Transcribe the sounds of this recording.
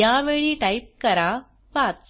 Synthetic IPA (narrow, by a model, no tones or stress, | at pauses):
ãːʋeːɭiʈɐɪp̚kɐɾaː | paːt̪